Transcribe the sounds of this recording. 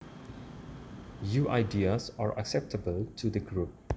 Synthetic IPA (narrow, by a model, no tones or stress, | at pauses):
juʔaɪdiəsaɹʔa̰ksɛp̚tʰəbəltʰudəɡɹup̚